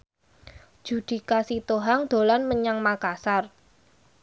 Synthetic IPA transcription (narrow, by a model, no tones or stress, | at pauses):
d̥d͡ʒ̥ṳd̪̥i̤kasit̪oɦaŋd̪̥o̤lanməɲaŋmakasar